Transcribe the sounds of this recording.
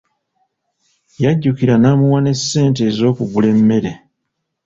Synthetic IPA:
jaɟːukiɾanaːmuwane̞sːe̞ːnt̬e̞ːzo̞ːkuβule̞mːe̞ɾe̞

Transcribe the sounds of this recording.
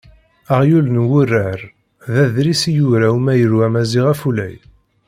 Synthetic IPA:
aʁjulnwʊrːəɾ | ðæðɾisijuɾæumæjəɾwæmæziʁæfulæ̰j

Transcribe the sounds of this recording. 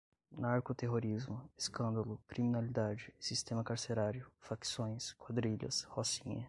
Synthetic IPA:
naɾkot̪eɦoɾizmʊeskɐ̃nd̪ɐlʊkɾiminalid̪ad͡ʒɪsist̪ẽmɐkaɾseɾaɾjʊfaksõj̃skwad̪ɾiʎɐ̰shosĩɲɐ

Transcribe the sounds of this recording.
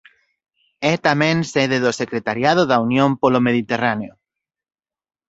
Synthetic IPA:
ɛt̪amẽnseðeðosekɾet̪aɾjað̞oðaunjõmpolomeðit̪eraneo

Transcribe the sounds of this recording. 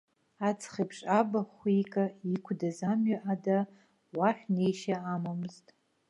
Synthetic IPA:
at͡sʰχipʰʂʼabaχʷikʼaikʷʰdazamɥaʔada | waħʷᶣnejʃaamamɨztʼ

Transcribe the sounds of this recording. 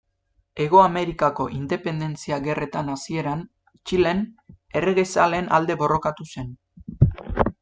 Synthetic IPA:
e̞ɣ̞o̞ame̞ɾikako̞ʔind̪e̞pe̞nd̪e̞nt͡siaɣe̞re̞t̪anasie̞ɾan | t͡ʃile̞n | e̞reɣejsale̞nʔa̰ld̪e̞βo̞ro̞kat̪use̞n

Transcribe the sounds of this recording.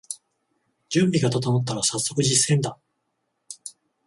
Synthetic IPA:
d͡ʑɨ̃mbʲiɡat̪at̪amot̪ːaɾasasːo̞kɯ̟ʑisːẽ̞nd̪a

